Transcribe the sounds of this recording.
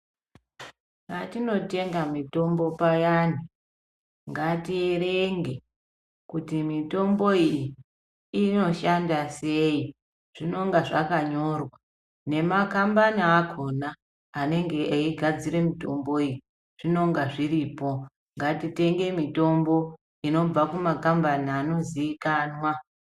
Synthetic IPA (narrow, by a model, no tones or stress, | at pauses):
ŋɡatino̞te̞ŋɡamito̞mbo̞pajani | ŋɡatiereŋɡe̞ | kutimito̞mbo̞ij | ino̞ʃandase̞i | ʐ̥ino̞ŋɡaʐakaɲo̞rwa | ne̞makambaniakʰo̞naː | ne̞ŋɡe̞aiɡʱad͡ziɾe̞mito̞mbo̞iji | ʐ̥ino̞ŋɡaʐiriːpo̞ | ŋɡatite̞ŋɡe̞mito̞mbo̞ | ino̞b͡vakumakambaniano̞ziikaːnwa